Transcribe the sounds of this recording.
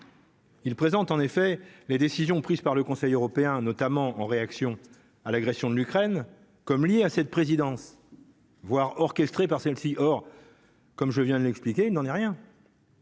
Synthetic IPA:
ilpχezɑ̃t̪ɑ̃nefɛled̪esizjɔ̃pχizpaʁləkɔ̃sɛjøʁɔpeɛ̃nɔt̪amɑ̃ɑ̃ʁeaksjɔ̃ | alaɡʁɛsjɔ̃d̪əlykχɛn | kɔmljeasɛt̪̚pχezid̪ɑ̃s | vwaʁɔʁkʲɛst̪χepaʁsɛlsiʔɔʁ | kɔmʒəvjɛ̃d̪əlɛksplikʲeilnɑ̃nɛʁjɛ̃

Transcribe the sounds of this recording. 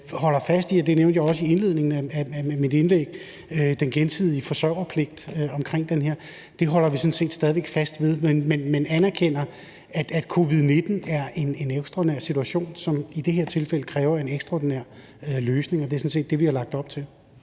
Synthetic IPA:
hɒ̽lɐfæsd̥iɒd̥e̝neʊnd̥jɑ̈ɪɒ̽səienle̝ð̞̰ˠne̝ŋn̩ææææmid̥enleɡ̥ | ød̥enɡ̥ensið̞̰ˠifɒ̽sɶɐ̰ʊ̰ɐpʰle̝ɡ̥̚d̥øɒ̽mkʰʁeŋ̰d̥enɦeɐ̰ | d̥e̝ɦɒ̽l̰ɐʋisɒ̽nse̝̰ːd̥sd̥ɛðiʋeɡ̥fæsd̥ʋe̝ð̞ˠmenmenmænænæɐkʰen̰ɐ | æ̥æ̥kʰo̝ʋið̞ˠne̝d̥n̩æɐʔe̝neneɡ̥sd̥ʁɑ̰d̥inæɐ̰sit͡sʰuæɕo̝̰ːnsɒ̽mid̥e̝heɐ̰t͡sʰe̝lfel̰əkʰʁɛːʊɐe̝neɡ̥sd̥ʁɑd̥inæɐ̰ | øløːsne̝ŋɒd̥e̝ɐsɒ̽nse̝̰ːd̥e̝ʋihɑlɑ̈ɡ̥̚d̥ɒ̽b̥t͡sʰe̝l

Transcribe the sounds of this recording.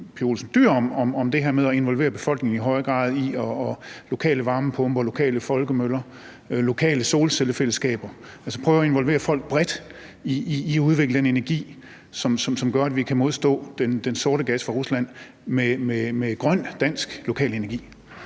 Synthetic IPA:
pʰio̝lsn̩d̥yɐ̰ɒ̽mɒ̽mɒ̽md̥e̝ɦe̝ɐmeðˠɒe̝nʋɒ̽lʋe̝̰ːɐb̥e̝fɒ̽l̰ɡ̥ne̝ŋ̩iɦɒ̽ɪɐɡ̥ʁɑ̰̈ːð̞ˠiɒːlo̝kʰɛ̰ːləʋɑ̈ːməpʰɔ̽mb̥ɐɒlo̝kʰɛ̰ːləfɒ̽lɡ̥əmølɐ | lo̝kʰɛ̰ːləso̝ːlseləfel̰əsɡ̥ɛ̰ːb̥ɐ | ælsɒ̥pʰʁœːʊɒe̝nʋɒ̽lʋe̝̰ːɐfɒ̽l̰ɡ̥̚b̥ʁɛd̥ | iiːæuðˠʋe̝ɡ̥ləd̥ene̝næɐɡ̥ḭː | sɒ̽msɒ̽msɒ̽mɡ̥ɶɐæd̥ʋikʰæmo̝ðˠsd̥ɔ̰̽ːd̥end̥enso̝ɐɾəɡ̥æsfʁɑ̈ʁuslæn̰ | mememeɡ̥ʁɶn̰d̥æn̰sɡ̥lo̝kʰɛ̰ːle̝nɐɡḭː

